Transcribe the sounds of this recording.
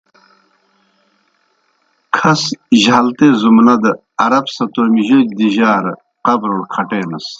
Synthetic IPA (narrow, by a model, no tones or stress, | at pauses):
kʰɐsʑɐlt̪ezumnɐd̪ɐ | ɐɾɐbsɐt̪oɾmiʑod̪iʑaːɾ | qɐbɾoɽkʰɐʈeːnɐs